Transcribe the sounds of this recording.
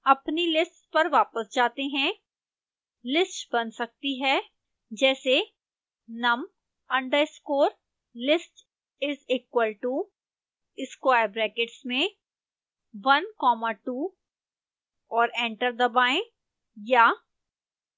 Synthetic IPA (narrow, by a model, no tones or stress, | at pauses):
ɐpnilɪsʈpɐɾʋaːpəsd͡ʒaːt̪eɦɛ̃ | lɪsʈbɐnsɐk̚t̪iɦɛː | d͡ʒɛːse | nɐm | ɐ̃ɳɖəɾɪskoːɾ | lɪsʈ | ɪziːkwəlʈu | ɪskwaːjɾbɾɛːkɪʈsmẽ | ʋɐnkɔːmaʈuː | ɔːɾɛ̃ːɳʈəɾd̪ɐbaːẽ | jaː